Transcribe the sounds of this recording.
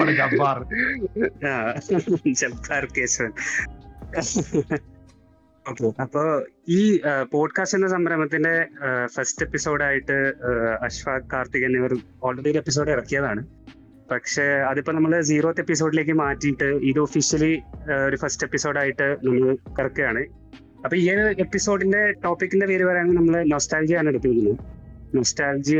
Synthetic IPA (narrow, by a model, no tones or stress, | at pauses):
ɐɽd͡ʑɐbaːr | aː | d͡ʑɐbaːrkeːɕɐʋɐn | oːkːeɐpːoːiːpo̞ːɖkaːstinːɐsɐmbɐɾɐmɐt̪̬ːinde̞fɐste̞pːiso̞ːɽaːjiʈːɨɐɕʋaːkːaːrt̪iɣɐnːiɐʋɐr | oːɭreɽiɾepːis̬o̞ːɖirɐkːijɐðaːɳɨ | pɐkʂe̞ːɐðipːo̞ːnɐmːɐɭd͡ʑiːroːt̪ːepːis̬o̞ːɖile̞ːk̬ːɨmaːtːijiʈːɨiðɨofiɕijɐlio̞ɾufɐste̞pːiso̞ːɽaːjiʈːɨnɐmːɐɭkɐrɐkːɨjaːɳɨ | ɐpːoːieepːiso̞ːɖinde̞ʈo̞ːpːikːindeʋeːɾiʋɐɾaːnːnɐmːɐɭɨno̞ːstaːld͡ʑijaːɳeɽut̪ːiʋikʲːunːunoːstaːld͡ʑi